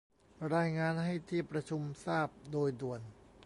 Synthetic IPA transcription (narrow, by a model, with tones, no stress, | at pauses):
ɾaː˧jŋaː˧nɦa˥˩jt̪ʰiː˥˩pɾa˧t͡ɕʰu˧msaː˥˩p̚doː˧jdu˨˩ən